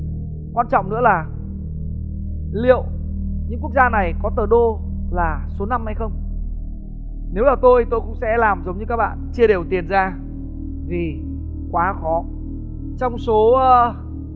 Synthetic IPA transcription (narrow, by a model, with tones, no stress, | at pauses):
kwaː˧nt͡ɕɔ̰˧˨ŋ͡mnɨ̰˧˥əlaː˨˩ | lḭ˧˨əw | ɲɨ̰˧˥ŋku˦˥ək̚zaː˧na˨˩jkɔ˨˦t̪əː˨˩ɗo˧ | laː˨˩so˨˦na˧mha˧jxə˧wŋ͡m | ne˨˦wlaː˨˩t̪o˧jt̪o˧jkʊ̰˧˥ŋ͡msɛ̰˧˥laː˨˩mzə˨˦wŋ͡mɲɨ˧kaː˦˥k̚ɓa̰ː˧˨nt͡ɕi˧əɗe˨˩wt̪i˨˩ənzaː˧ | vʰi˨˩ | kwaː˨˦xɔ˨˦ | t͡ɕɔ˧wŋ͡mso˨˦ʔəː˨˧